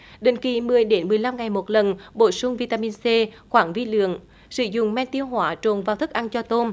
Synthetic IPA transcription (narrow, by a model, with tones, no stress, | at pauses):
ɗḛ˨˩ŋ̟ki˨˩mɨ˨˩əjɗe˨˦nmɨ˨˩əjla˧mŋa˨˩jmo˨˩t̚lə˨˩nɓo˧˩˦sʊ˧ŋ͡mvi˧t̪aː˧mi˧nse˧xwaː˧˦ŋvi˧lɨ̰˧˨əŋ | sɨ˧˦zʊ̰˧˨ŋ͡mmɛ˧nt̪i˧əwɦwaː˨˦t͡ɕo˨˩nvaː˧wt̪ʰɨ˦˥k̚ʔa˧nt͡ɕɔ˧t̪o˧n